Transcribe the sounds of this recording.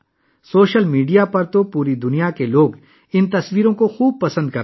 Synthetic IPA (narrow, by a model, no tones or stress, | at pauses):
soːʃəlmiːɖijapɐɾt̪opuːɾid̪ʊnijakeloːɡ | ɪnt̪ɐswiːɾõkoxuːb̚pɐsə̃nd̪̚kɐ